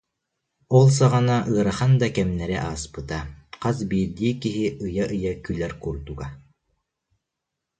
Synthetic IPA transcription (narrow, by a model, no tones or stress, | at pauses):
ulˠs̬ɑʁɑnɑʔɯːɾɑhɑnd̪ɑkɛmnæɾæʔɑːspɯ̆t̪ɑqɑz̬biɾd̪ikiɦiʔɯjɑʔɯjɑkʉlæɾkuɾt̪uɡɑ